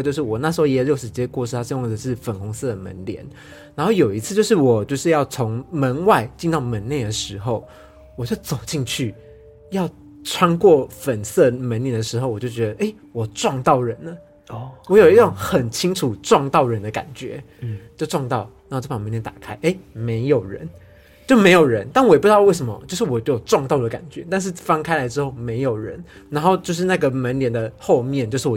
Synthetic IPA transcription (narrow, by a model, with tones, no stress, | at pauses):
t͡ɕjo˥˧ʊʂɻ̩˥˩wɔ˨˩na˥˩ʂɻ̩˧˥xo˥˧ʊjɛ˥˧ɻjo˥˩ʊʂ̩˨˩t͡ɕjɛ˥˧kwɔ˥˧ʂ̬ɻ̩ʰ˥˩a˥ʂ̩˥˧jʊ˥˩ŋə˨˩ʂɻ̩˥˩fə˨˩nkʰʊ˧˥ŋsɤ˥˩d̪ə˩mə̰˧˦nljɛ̰˧˦n | na˧˦nxo˥˩ʊjo˨˩ʊi˧˥t͡sʰɹ̩˥˧t͡ɕjo˥˧ʊʂ̬ɻ̩˥˩wɔ˨˩t͡ɕjo˥˧ʊʂɻ̩˥˧jɑ˥˩ʊt͡sʰo˧˦ŋmə˧˥nwa˥˧ɪt͡ɕi˥˧nt̪ɑ˥˩ʊmə˧˥nne˥˩ɪd̪ə˩ʂɻ̩˧˥xo˥˩ʊ | wɔ˨˩t͡ɕjo˥˩ʊt͡so˨˩ʊt͡ɕi˥˧nt͡ɕʰy˥˩ | jɑ˥˩ʊ | ʈ͡ʂʰwa˥nkwɔ˥˩fə˨˩nsɤ˥˩mə˧˥nljɛ˧˥nd̪ə˧˩ʂɻ̩˧xo˥˧ʊwɔ˨˩t͡ɕjo˥˩ʊt͡ɕɥɛ˧˦d̪ə˧ʔe˥˩ɪ | wɔ˨˩ʈ͡ʂwɑ˥˧ŋt̪ɑ˥˩ʊɻə˧˦nə˨ | wɔ˧˥jo˨˩i˥ʊ˥˧˩ŋxə˨˩nt͡ɕʰi˥ŋʈ͡ʂʰu˨˩ʈ͡ʂwɑ˥˧ŋt̪ɑ˥˩ʊɻə˧˦˥nd̪ə˧ka̰˨˩nt͡ɕɥɛ̰˧˥ | t͡ɕjʊʈ͡ʂwɑ˥˧ŋt̪ɑ˥˩ʊn˨˧˥o˧˩ʈ͡ʂʰa˨˩ŋmə˧˦nljɛ˧˦nt̪ḁ̰˨˩kʰa˥ɪʔe˥˩ɪme˧˥ɪjo˨˩ʊɻə̰˧˦n | t͡ɕjo˥˩ʊme˧ɪjo˨˩ʊɻə˧˦nt̪a˥˩nwɛ˨p̪ːwe˥˩ɪʂə˧˦mɐ̰˧˦t͡ɕjo˥˧ʂɻ̩˥˩wɔ˨˩t͡ɕo˥˩o˨˩ʈ͡ʂwɑ˥˧ŋt̪ɑ˥˩ʊd̪ə˩ka̰˨˩nt͡ɕɥɛ˧˦˥t̪a˥˧nʂ̬ɻ̩˥˩fɑ˥ŋkʰa˥ɪla˧˥ɪʈ͡ʂɻ̩˥xo˥˩ʊme˧˥ɪjo˨˩ʊɻə̰˧˥n | na˧˥nxo˥˧ʊt͡ɕjo˥˧ʊʂ̬ɻ̩˥˧na˥˩ɡə˩mə˧˦nljɛ˨˦nd̪ə˨xo˥˧ʊmjɛ˥˨nt͡ɕjʊʂ̩˥˩wɔ˨